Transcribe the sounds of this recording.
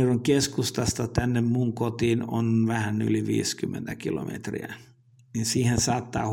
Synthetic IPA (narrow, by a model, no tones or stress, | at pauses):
roŋkeskust̪ɑst̪ɑt̪ænːemmuŋkot̪iːno̰nʋæhæny̰liʋḭːskymːḛnt̪ækilo̰mḛt̪rḭæ̰ | ninsiːhensɑːt̪ːɑ̰ː